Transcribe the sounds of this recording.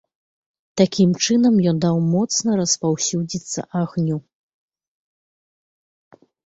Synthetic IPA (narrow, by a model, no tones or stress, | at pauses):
t̪akʲimt͡ʂɨnɐmjɔnd̪awmɔt̪snɐɾɐspawsʲud͡zʲit̪sːɐ̰ʔaɣnʲu